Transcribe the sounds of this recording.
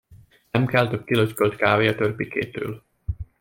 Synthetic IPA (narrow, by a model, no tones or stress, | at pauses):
nɛmkɛlt̪øp̚kiløckølt̪kaːveːɒt̪ørpikḛːt̪ø̰ːl